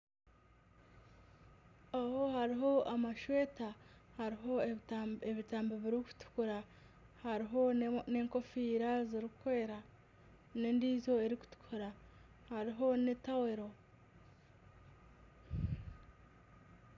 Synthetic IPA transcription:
ahohaɾiɦo̞amaʃweːtahaɾiɦoeβitaːmbeβiɾiku̥tu̥kuɾa | haɾiɦone̞ːŋko̞fiːɾaziɾikwe̞ːɾa | ne̞ndiːzo̞eɾiku̥tu̥kʰuɾa | haɾiɦo̞netaweɾo̞

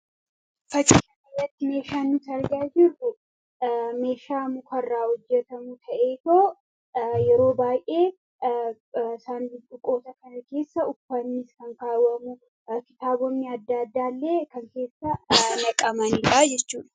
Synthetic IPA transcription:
fɐt͡ʃʼiɐnɐjɐt̪ːɪme̞ːʃaːnːʊsɐɾɡaːd͡ʒɪrʊ | me̞ːʃaːmʊkʰɐrːaːhɔd͡ʒːɛt̪ɐmʊt̪ʰɐʔeːt̪oː | jɛɾo̞ːbaːjʔe̞ː | saːnd̪iᶑʊkʼo̞ːsɐkɐnɐke̞ːsːɐʊfːɐnːɪskɐŋkaːwːɐmʊ | kɪt̪aːbɔnːiɐd̪ːad̪ːaːlːe̞ːkɐŋke̞ːsːɐnɐkʼɐmɐnɪᶑad͡ʒɛt͡ʃːuːᶑɐ̥

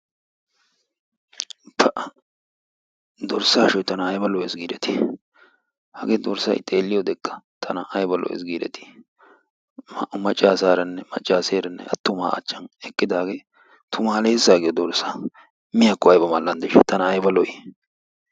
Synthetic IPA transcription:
pɐʔɐ | d̪ɔɾsaːʃɔjt̪ɐnɐːjbɐlɔɛsɡiːɾɛt̪ɪ̥ | hɐɡeːd̪ɔɾsɐ̰jt̪ʼeːlːɪjɔd̪ɛkʼːɐ̥t̪ʰɐnɐʔɐjbɐlɔ̰ɛ̰sɡiːɾɛ̰t̪ɪ̥ | mɐt͡ʃʼːaːsaːɾɐnːɛmɐt͡ʃʼːaːseːɾɛnːɛ̰ɐt̪ːʊma̰ːɐ̰t͡ʃːɐnɛkʼːɪd̪aːɡeː | t̪ʰʊmaːleːsaːɡɪjɔd̪ɔɾsa | mɪjakːɔɐjbɐmalːɐnd̪ɛʃɛt̪ɐnɐːjbɐlɔjɪ

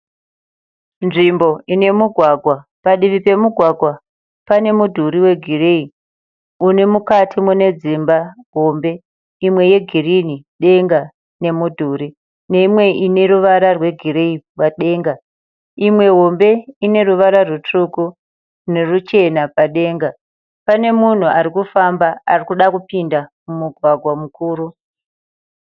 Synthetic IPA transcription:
nʐimbo̞ine̞muɡʱwaɡʱwapaɗiʋipe̞muɡʱwaɡʱwa | pane̞mudʱuɾiwe̞ɡʱirei | une̞mukatʰimune̞d͡zimbaɦombe̞ | imwe̞je̞ɡʱiriniɗe̞ŋɡa | ne̞mudʱuɾi | ne̞imwe̞ʔine̞ruʋaɾarwe̞ɡʱiɾeipwaɗe̞ːŋɡa | imwe̞ɦo̞mbe̞ine̞ruʋaɾarutuku | ne̞rut͡ʃe̞napaɗe̞ːŋɡa | pane̞mun̤uaɾikufambaa̰rikuɗakupindamumuɡʱwaɡʱwamukuːɾu

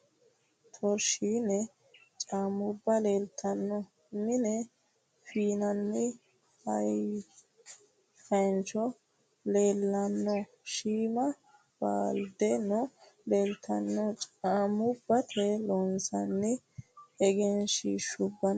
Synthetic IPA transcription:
t̪ʰɔɾʃiːnɛ | t͡ʃʼaːmʊbːɐleːlt̪ʰɐnːɔ | mɪnɛ | fiːnɐnːɪ | hɐ̰j | fɐnt͡ʃɔ | leːlːɐnːɔ | ʃiːmɐ | b̥a̰ːld̪ɛnɔ | leːlt̪ʰːɐnːɔt͡ʃʼaːmʊbːɐt̪ʰɛlɔːnsɐnːɪ | ɛɡɛnʃiːʃʊbːɐn

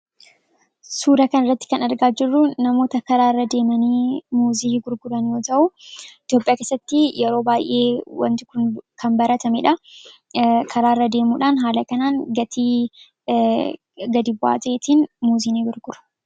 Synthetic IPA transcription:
suːɾɐkɐnɐɪrːɐt̪ːɪ̥kɐnɐɾɡaːd͡ʒɪrːʊnɐmo̞ːt̪ɐkɐɾaːrːɐd̪e̞ːmɐniːmuːziːɡʊɾɡʊɾɐnjoːt̪ɐʔʊɪt̪jo̞ːpʼɪjaːke̞ːsːɐt̪ːɪjɛɾo̞ːbaːjʔeːwɐ̰nt̪ɪ̥kʊnkʰɐmbɐɾɐt̪ʰɐmɛᶑɐ | kʰɐɾaːrːɐd̪e̞ːmuːᶑaːnɦaːlɐkɐnaːnɡɐt̪ʰiː | ɡɐd̪ibʊa̰ːt̪ɐeːt̪iːnmuːziːniɡʊɾɡʊɾɐ̥

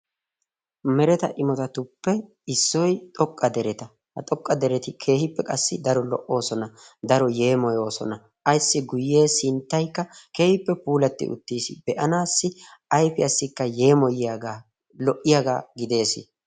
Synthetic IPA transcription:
mɛɾɛt̪ɐʔɪmɔt̪ɐt̪ʊpːɛ | ɪsːɔjt̪ʼɔkʼːɐd̪ɛɾɛt̪ɐ | hɐt̪ʼɔkʼːɐd̪ɛɾɛt̪ɪkʰe̞ːhɪpːɛkʼɐsːɪd̪ɐɾɔlɔ̰ʔːo̞ːsɔnɐd̪ɐɾɔje̞ːmɔjo̞ːsɔ̰nɐ | ʔɐjsːɪɡʊjːe̞ːsɪnt̪ːɐjkːɐke̞ːhɪpːɛpuːlɐt̪ːɪ̰ʔʊ̰t̪ːiːsɪbɛʔɐnaːsːɪʔɐjfɪɐsːɪkːɐje̞ːmɔjɪaɡa | lɔʔːɪjaɡaːɡɪd̪e̞ːsɪ̰

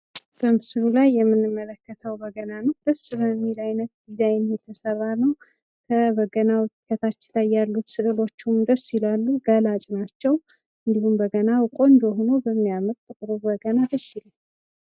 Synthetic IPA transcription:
b̥əmɨsɨlulajːɛmːɨnːɨmːələkːət̪ʰəwbəɡənanəwd̪əsbəmːilajnət̪̚ɡ̪izajnjɛt̪ʰːəsərːanəw | kʰəbəɡənawʊt̪ʼkʰːət̪ʰat͡ʃːɪlajːalːut̪sɨʔɨlo̞t͡ʃːumd̪əsilalːuɡəlat͡ʃʼnat͡ʃːɛw | ʔɨnd̪ihumbəɡənakʼo̞nd͡ʒ̪oɦono̞bəmːijamət̪ːʼɨk̪ʼɨɾubəɡənad̪əsilal

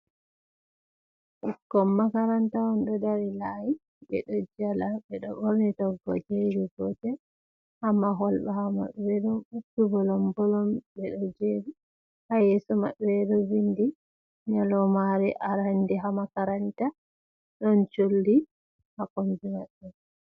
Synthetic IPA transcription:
ʔukːɔmːakaɾantawɔnɗɔdaɾilaji | bɛ̰ɗɔd͡ʒalabɛɗɔbɔɾnitɔɡɔd͡ʒeɾiɡɔtɛ | hamːaɦɔlbahama̰ɓɛɗɔbutːubɔlɔmbɔlɔmbɛɗɔd͡ʒeɾi | hajɛsɔma̰ɓɛdɔwindi | ɲalɔmaɾɛʔaɾandiɦamakaɾanta | ɗɔnt͡ʃoldi | hakɔmbimaɓːɛ

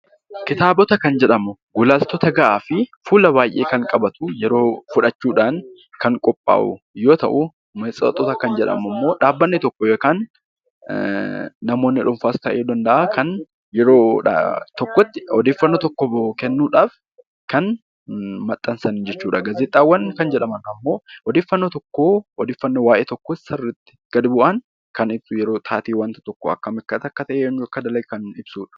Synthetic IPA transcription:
kɪt̪aːbɔt̪ɐkɐnd͡ʒɛᶑɐmʊɡʊlaːst̪ɔt̪ɐɡɐʔaːfɪfuːlɐbaːjʔe̞ːkɐŋkʼɐbɐt̪ʊjɛɾo̞ːfʊᶑɐt͡ʃːuːᶑaːn | kɐŋkʼɔpʼːa̰ːʔʊ̰ | jo̞ːt̪ɐ̰ʔʊ | mɛt͡sʼɐ̰t̪ʼːɔt̪ɐkɐnd͡ʒɛᶑɐ̰mɐmːo̞ːᶑaːbːɐnːɪt̪ɔkːɔjɛkaːn | ɐmo̞ːnːɪᶑʊmfaːst̪ɐʔeːd̪ɐnd̪ɐʔakʰɐn | jɛɾo̞̰ːt̪ɔkːɔt̪ːɪɔd̪eːfːɐnːot̪ɔkːɔkɛnːuːᶑaːf | kɐn | mɐt̪ʼːɐnsɐnːd͡ʒɛt͡ʃːuːᶑɐɡɐzɛt̪ʼːaːwːɐnɪkɐnd͡ʒɛᶑɐmɐnɐmːo̞ːɔd̪eːfːɐnːot̪ɔkːoːɔd̪eːfːɐnːowaːʔeːt̪ɔkːosɐrːɪt̪ːɪ̥ɡ̥ɐd̪bʊʔɐn | kɐnɪbsujɛɾo̞ːt̪ʰaːt̪iːwɐnt̪ɐ̥t̪ɔkːɔɐ̰kːɐmɪkːɐt̪ɐkːɐt̪ɐʔeːɛnːuɐkːɐd̪ɐlɐjkɐnɪb̥suːᶑɐ̥

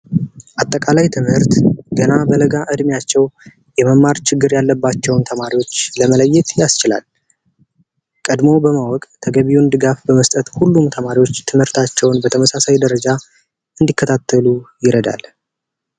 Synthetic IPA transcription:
ʔat̪ʼːəkʼalajt̪ʰɨmhɨɾt̪ɡ̥ənabələɡaʔɨd̪mjat͡ʃːɛw | jɛməmːaɾt͡ʃɪɡːɨɾjalːəbːat͡ʃːɛwnt̪ʰəmaɾiwo̞t͡ʃːləmələjːɪt̪jast͡ʃɪla̰l | kʼəd̪mo̞bəmawɔkʼt̪ʰəɡəβiund̪ɨɡafbəməst̪ʼət̪hulːumt̪ʰəmaɾiwo̞t͡ʃːt̪ʰɨmhɨɾt̪ʰat͡ʃːɛwnbət̪ʰəməsasajd̪əɾəd͡ʒa | ɨnd̪ikʰːət̪ʰat̪ʰːəlujɪɾəd̪a̰l

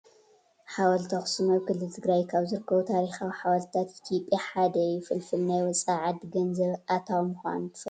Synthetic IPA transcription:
ħawɐlt̪ʰɐxsɨnɐwkɨlːɨlt̪ʰɨɡɾajkʰaβzɨɾɨkʰːɐβut̪ʰaɾixawiħawalt̪t̪ʰat̪ʔit̪ʰjopʼːjaħad̪ɐjɪfɨlfɨlnajwɔt͡sʼaʕad̪ɡɐnzɐβʔat̪ʰawmɨxʷa̰nt̪ʰɨ̥f

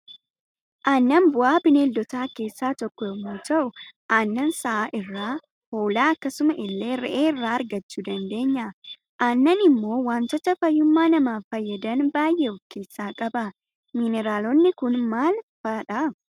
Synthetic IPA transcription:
ʔaːnːɐnbʊʔaːbɪneld̪ɔt̪aːke̞ːsːaːt̪ɔkːɔɛmuːt̪ɐʔʊʔaːnːɐnsɐʔaːʔɪrːaː | ho̞ːlaːɐkːɐsʊmɐʔɪlːe̞ːɾɛ̰ʔeːɪrːaːɐɾɡɐt͡ʃːuːd̪ɐnd̪e̞ːɲːɐ | ʔaːnːɐnɪmːo̞ːwaːnt̪ɐt̪ɐfɐjːʊmːaːnɐmaːfɐjːɐd̪ɐnbaːjʔeʊfkeːsːaːkʼɐbɐ | mɪnɛɾaːlɔnːɪkʊnmaːlfaːᶑɐ

